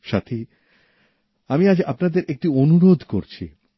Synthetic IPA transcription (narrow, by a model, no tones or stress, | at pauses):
ʃat̪ʰi | amiad͡ʑapnad̪eɾek̚ʈionuɾod̪ʱkoɾt͡ɕʰḭ